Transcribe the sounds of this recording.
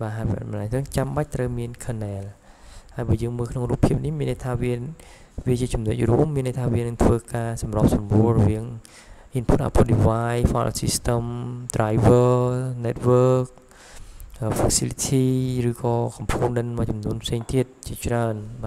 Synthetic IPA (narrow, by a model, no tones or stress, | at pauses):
ɓaːɦajpʔa̰t̪ɓɑnlat̪rɨːŋt͡ɕamɓac̚t̪rəwmiənkʰənɛːlhaəjɓaːjəːŋməːlkʰnoŋruːpʰːiəp̚nihmiənːʔəjt̪ʰaːʋiə | ʋiət͡ɕiət͡ɕumnəc̚ruəmːiənːʔəjt̪ʰaːʋiənɨŋt̪ʰʋəːkaːsɑmrɔ̆p̚sɑmruəlrɔʋiəŋ | ʔinpʰutʔa̰ːpʰoɗiʋaːjfa̰ːl̰sist̪əmt̪rajʋənɛt̪̚ʋəːk̚ | ʔəːfasilit̪ʰiːrɨːkɑːkɑmpʰuːnɗɨnmɔət͡ɕɑmnuənpʰseːŋt̪iət̪̚t͡ɕiət͡ɕraənɓaː